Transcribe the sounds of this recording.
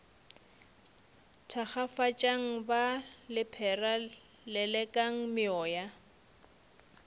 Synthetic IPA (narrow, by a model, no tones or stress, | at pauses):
tʰaχafat͡ʃʼaŋ̩balɪpʰɛra | lɛlɛkʼaŋ̩mɪɔːja